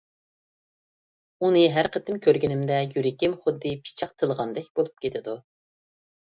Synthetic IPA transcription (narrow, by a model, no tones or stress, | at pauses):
unɨɦæɾqʰət̪ʰɪmkʲʰøɾɡʲinɪmd̪ɛjyɾɪkʲɪmχʊd̪ːɨpʰi̥t͡ʃʰɑq̚t̪ʰəlˠʁɑnd̪ɛkʲbolˠup̚kʲet̪ʰɪd̪u